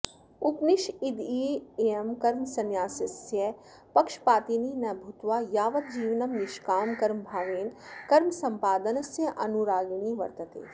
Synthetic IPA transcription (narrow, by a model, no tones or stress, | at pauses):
ʊpniʃid̪ieɐmkɐɾmsɐnjaːsɐsjɐ | pɐkʃpaːt̪ininɐbʱʊt̪ʋaːjaːʋɐt̪̚d͡ʒiːʋnɐmnɪʃkaːmkɐɾmbʱaːʋeːnkɐɾmsɐ̃mpaːd̪ɐnɐsjɐʔɐnuɾaːɡniːʋɐ̰ɾt̪ɐt̪ḛː